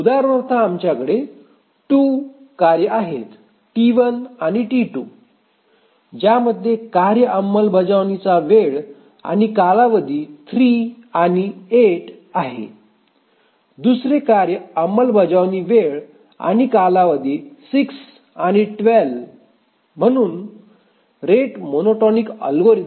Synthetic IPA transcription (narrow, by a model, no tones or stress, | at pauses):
ud̪aɾʋəɾt̪ʰaːmt͡ɕjakəɽe | ʈu | kaɾjəaɦet̪ | ʈiʋənañiʈiʈu | d͡ʑaməd̪ʱjekaɾjəʔəmːəlbʱəd͡zaʋnit͡saʋeɭ | a̰ñikalaʋəd̪iːt̪ʰɾianieʈ | aɦḛ | d̪usɾekaɾjəəmːəlbʱəd͡zaʋniʋeɭ | a̰ñikalaʋəd̪isiks | añiʈʋelʋ | m̤əɽ̃uːn | ɾeʈmonoʈɔnikə̰lɡoɾi